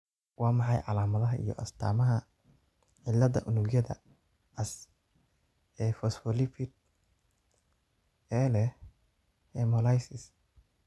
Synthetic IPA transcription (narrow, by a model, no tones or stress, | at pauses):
wɑːmɑħɑjʕɑlaːmɐðɐɦɐʔḭjɔ̰ʔɐst̪ʰa̰ːmɐɦɐ | ʕɪlːɐðɐ̰ʔʊnʊɡjɐðɐ̰ | ɐs | ɛfɔsfɔlɪpʰɪt̪̚ | ɛːlɛ | ɛmɔlajsɪs